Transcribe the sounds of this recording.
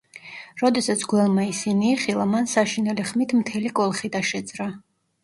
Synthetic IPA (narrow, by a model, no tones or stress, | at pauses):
ɾɔd̪ɛsat̪sʰɡwɛlˠmaisiniːχilˠamansaʃinɛliχmit̪ʰmt̪ʰɛlikʼɔlˠχid̪aʃɛd̪zɾa